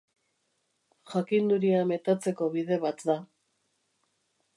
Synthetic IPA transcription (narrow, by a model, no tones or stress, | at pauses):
xakind̪uɾiame̞t̪at͡se̞ko̞βiðe̞βat̪d̪a